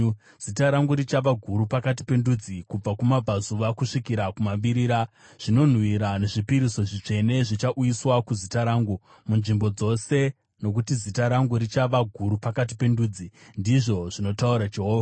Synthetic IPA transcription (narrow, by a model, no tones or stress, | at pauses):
z̥itaɾaŋɡuɾit͡ʃaʋaɡʱuɾupakat̬i̥pe̞ndud͡zikub͡vakumab͡vazuʋakuʂikiɾakumaɓiɾiːɾa | ʐ̥ino̞n̤wiɾane̞ʐipiɾiso̞ʐit͡ʂe̞ne̞ʐit͡ʃaʔujiswakuzitaɾaːŋɡu | munʐimbo̞d͡zo̞se̞ | no̞kutizitaɾaŋɡuɾit͡ʃaʋaɡʱuɾupakat̬i̥pe̞nduːd͡zindiʐo̞ʐ̥ino̞tauɾat͡ʃiɦoːʋa